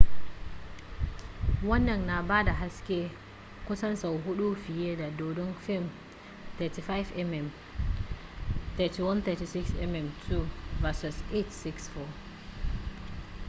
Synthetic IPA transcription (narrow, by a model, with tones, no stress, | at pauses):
wɔ˦nːɛ˨nːa˨ba˦da˨ɦa˦skʲɛ˦ | kusa˦nsa˨wɦu˦ɗu˦fi˨jɛ˦da˨do˨dɔ˦nfɛ˦m | t̪ɛ˨ti˨fa˦jfɛmɛm | t̪ɛtiwa˦nt̪ɛti˨si˦ksɛ̰mɛmtʰu˦vasɔsetsiksfɔ